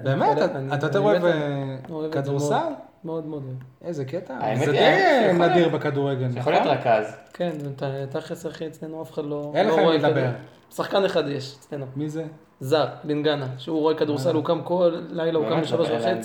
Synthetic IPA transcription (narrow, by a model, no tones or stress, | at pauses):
bemeaniatt̪at̪eoeveoevkad̪uʁmsal | meod̪meod̪oevʔezeket̪aa̰emezed̪ejnadiʁbekad̪uʁeɡeljaxoliot̪ʁakazkent̪at̪aχeseaχiet͡slenuafeχad̪lo̞eleloʁoed̪dbeʁ | saχkaneχad̪jeʃe̥t͡slenumize | zaʁbinɡanaʃeuʁoekad̪uʁsalukamkolːajlaukambiʃaloʃvaχet͡si